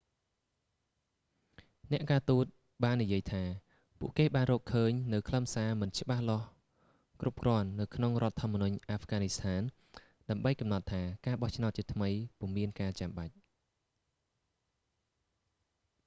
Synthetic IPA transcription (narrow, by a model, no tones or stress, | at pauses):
nɛ̆əʔkaːt̪uːt̪̚ | ɓaːnːijiəjt̪ʰaː | pṵəʔkeːɓaːnrɔːkʰəːɲnɨwkʰləmsaːmɨnt͡ɕə̆ɓahloəh | krʔup̚krŏənːɨwkʰnoŋrŏət̪ʰːŏəmːənuɲʔaːfɡaːnist̪ʰaːn | ɗaəmɓəjkɑmnɑt̪ʰːaːkaːɓɑht͡ɕʰnaʊt̪̚t͡ɕiət̪ʰməjpŭəmiənkaːt͡ɕamɓac̚